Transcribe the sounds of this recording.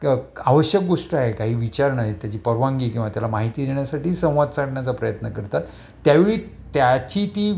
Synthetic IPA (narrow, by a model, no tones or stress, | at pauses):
aʋəɕjək̚ɡoʂʈəaɦekaɦiːʋit͡ɕaɾɳaɦit̪jat͡ɕiːpəɾʋãŋɡiːkĩw̃ʋat̪jalamaɦit̪iːd̪eɳjasaʈiːsə̃w̃ʋad̪̚t͡saɽɳjat͡sapɾəjət̪nəkəɾt̪at̪ː | jaʋeɭiː | t̪jat͡ɕiːt̪iː